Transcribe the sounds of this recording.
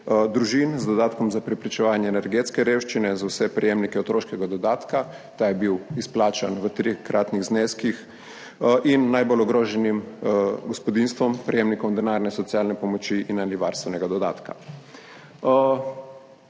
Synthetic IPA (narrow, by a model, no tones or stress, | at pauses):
d̪ɾuʒinzd̪ɔd̪aːt̪kɔmzapɾɛpɾit͡ʃɛʋaːnjɛːnɛɾɡet̪skɛɾeːwʃt͡ʃinɛzawsɛpɾɛjemnikɛɔt̪ɾoːʃkɛɡad̪ɔd̪aːt̪ka | t̪aːjɛbiwisplaːt͡ʃanʋət̪ɾikɾʔaːt̪niɣzneskix | ʔinːajbolɔɡɾoːʒɛnimɡɔspɔd̪inst̪ʋɔmpɾɛjeːmnikɔmd̪ɛnaːɾnɛsɔt̪siaːlnɛpɔmɔt͡ʃiʔinaniʋaɾst̪ʋɛnɛɡad̪ɔd̪a̰ːt̪ka̰